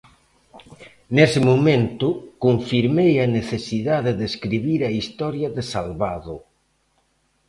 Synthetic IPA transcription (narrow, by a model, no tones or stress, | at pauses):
nesɪmomẽnt̪ʊkoɱfiɾmejaneθesiðaðeðeskɾiβiɾaist̪ɔɾjaðesalβaðʊ